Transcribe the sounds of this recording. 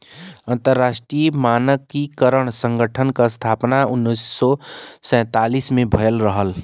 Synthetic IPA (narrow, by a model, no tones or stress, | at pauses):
ənt̪əɾːasʈɾimanəkikəɾəɽ̃sə̃ŋɡəʈʰənkəst̪ʰapnaunːəsːɔsɛ̃t̪alismebʱəjlɾəɦəl